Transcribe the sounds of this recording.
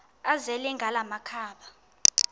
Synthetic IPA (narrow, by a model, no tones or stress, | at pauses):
azɛlɛŋɡʱalamakʰaːɓa